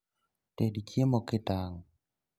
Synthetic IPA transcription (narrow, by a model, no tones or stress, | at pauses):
tedikʰjemɔkɪtaŋ